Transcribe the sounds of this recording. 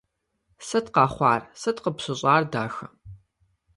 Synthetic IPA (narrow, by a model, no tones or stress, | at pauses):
sɐtqɑːχʷɑːrsɐtqəpɕɨɕʼɑːrda̰ːxɐ